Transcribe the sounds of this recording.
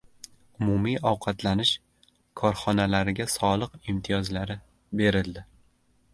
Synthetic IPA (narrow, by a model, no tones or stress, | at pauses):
ʊmʊmijɒwqʰɑt̪ʰlanɪʃ | kʰɒɾχɒnalaɾɪɡʲasɒlˠɨqɪmt̪ʰɪjɒzlaɾɪ | be̞ɾɪld̪ɪ